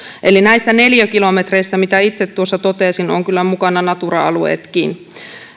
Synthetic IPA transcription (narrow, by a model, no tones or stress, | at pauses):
ʔelinæisːæneljækilomet̪reisːɑmit̪æit̪set̪t̪ːuosːɑt̪ot̪eːsinoŋkylːæmukɑnɑnɑt̪urɑɑluḛːt̪kiːn